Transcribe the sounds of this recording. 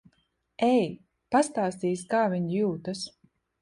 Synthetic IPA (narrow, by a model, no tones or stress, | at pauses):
ɛj | past̪aːst̪iːskaːviɲjuːt̪as